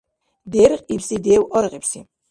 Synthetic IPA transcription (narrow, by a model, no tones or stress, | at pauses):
d̪ɛɾχʼipsid̪ɛːwɔɾʁipsḭ